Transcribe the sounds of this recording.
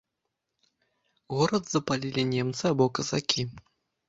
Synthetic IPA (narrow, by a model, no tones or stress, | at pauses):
ɣɔɾɐd̪zɐpalʲilʲinʲɛmt̪sɨabɔkɐzakʲi